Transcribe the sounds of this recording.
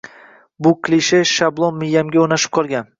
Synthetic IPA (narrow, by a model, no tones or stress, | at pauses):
bʊkʲʰliʃeʃablˠonːɪjːamɡʲaonaʃɪ̥p̚qʰɒlˠɡʲan